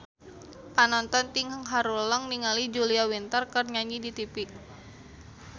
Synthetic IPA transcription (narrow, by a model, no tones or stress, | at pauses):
panɔnt̪ɔnt̪iŋhəŋɦaɾuləŋniŋalid͡ʒuliawint̪ərkərɲaɲidit̪ipik̚